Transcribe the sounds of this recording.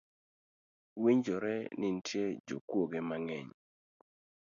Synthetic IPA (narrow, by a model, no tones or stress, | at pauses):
wiɲd͡ʒɔɾɛnɪn̩tjed͡ʒo̰kwoɡemaŋɛɲ